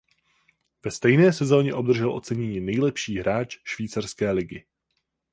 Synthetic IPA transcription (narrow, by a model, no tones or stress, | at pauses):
vɛst̪ɛjnɛːsɛzo̞ːɲɛʔo̞bd̪r̩ʒɛlʔo̞t͡sɛɲɛɲiːnɛjlɛpʃiːɦɾaːt͡ʃʃviːt͡sarskɛːlɪɡɪ